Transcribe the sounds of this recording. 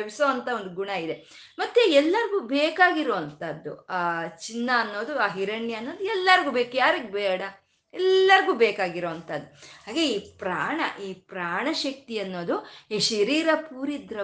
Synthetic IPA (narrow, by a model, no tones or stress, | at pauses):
ʋisoːɐnt̪ʰɐond̪uɡuɳɐid̪e | mɐt̪ːeɛlːɐɾɡuːbeːkaːɡiɾoːʋɐnt̪ɐd̪ːṵaːt͡ʃinːɐːnːo̞ːd̪uaːɦiɾɐɳːjɐɐnːo̞ːd̪uɛlːɐɾɡuːbeːkjaːɾɐɡbɛːɽɐ | ɛlːɐɾɡuːbɛːkaːɡiɾoːʋɐnt̪ɐd̪ːuɦaːɡeiːpɾaːɳɐ̰ʔiːpɾaːɳɐʃɐk̚t̪iɐnːo̞ːd̪uiʃɐɾiːɾɐpuːɾid̪ɾɐ